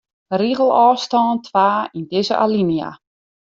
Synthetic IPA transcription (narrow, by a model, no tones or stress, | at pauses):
riɣəl̩ˠɔːstɔːntʰʋaːindɪzə̰ʔa̰linija̰